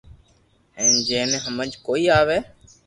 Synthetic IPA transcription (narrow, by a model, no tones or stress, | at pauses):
ɛ̃ːd͡ʒɛ̃ːnɛːɦəməd͡ʒkoːiːaːʋeː